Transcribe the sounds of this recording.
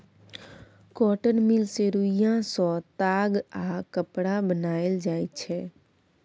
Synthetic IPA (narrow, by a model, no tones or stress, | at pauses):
kɔʈənmilseɾuijãsɔ̃t̪aɡakəpɽabənaeld͡ʒajt̪t͡ʃʰɛ